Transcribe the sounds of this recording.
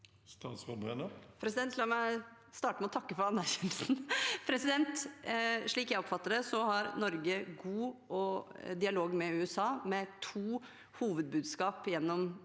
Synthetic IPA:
st̪ɑːt̪sfɔbʁɛnəpʰɾɛsɪd̪ɛnt̪lɑːmæɪ | st̪ɑːʈəmɛɔt̪ʰɑkːəfɔɾɑnːæɾçɛːnəlsn̩pʰɾɛsɪd̪ɛnt̪ | ʂɭiːkjæɪɔpfɑt̪ːəɖɛsɔhɑɾnɔɾɡəɡuːʔɔd̪ɪɑloːɡmɛʉːɛsɑːmɛt̪ʰuː | huːʋəd̪̚bʉːd̪skɑːpjɛnːɔm

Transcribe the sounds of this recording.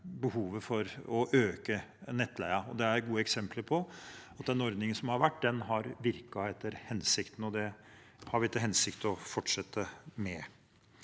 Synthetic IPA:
bəhuːʋəfɔɾɔʔøːkənɛt̪ːlæɪɑɔd̪ɛæɾɡuːəɛksɛmpləɾpʰɔɑt̪̚d̪ɛnɔɾd̪nɪŋənsɔmhɑɾʋæʈːd̪ɛnɦɑɾʋɪɾkɑɛt̪ʰːəɾhɛnsɪkt̪n̩ɔd̪ɛhɑɾʋɪɪt̪ːəɦɛnsɪkt̪ɔfɔʈʂɛt̪ːəmɛ

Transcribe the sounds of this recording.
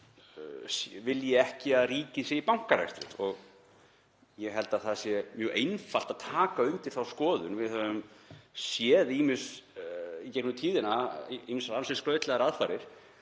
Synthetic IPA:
svɪljɛɛhcɪaðriːcɪsjɛipawŋ̥kaɾa̰jst̪ɾɪ̰t̪ɔɣ | jɛɦɛlt̪aðθaðsjɛmjœːʔejnfal̥t̪aðt̪ʰaːkaœɥŋt̪ɪɾ̥θawskɔːðʏnvɪðhœvʏmsjɛðiːmɪns | icɛknʏt̪ʰiːðɪnaimɪnsɾansɛsklœːɥt̪lɛɣaɾaðfaɾɪɾ̥

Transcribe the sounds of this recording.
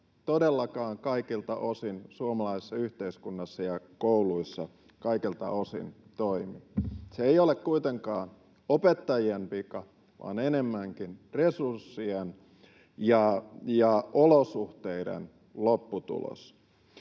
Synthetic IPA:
t̪odelːɑkɑːŋkɑikilt̪ɑʔosinsuomɑlɑise̥sːɑyht̪eiskunːɑsːɑjɑkouluisːɑ | kɑikilt̪ɑ̰osḭnt̪oimiseeiolekkuit̪eŋkɑːn | opet̪ːɑjiempikɑ | ʋɑ̰ːnenemːæŋkinresursːien | jɑjɑʔolosuht̪eidḛn | lopːut̪ṵlo̰s

